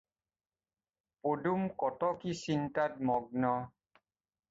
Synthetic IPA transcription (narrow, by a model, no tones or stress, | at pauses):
podumkɔtɔkisintat̚mɔɡ̚nɔ